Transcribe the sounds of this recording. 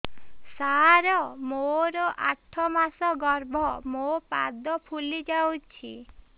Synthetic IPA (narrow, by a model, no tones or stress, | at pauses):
saɾɔmoɾɔʔaʈʰɔmasɔɡɔɾbʱɔmopad̪ɔpʰulid͡ʒawt͡ʃʰḭ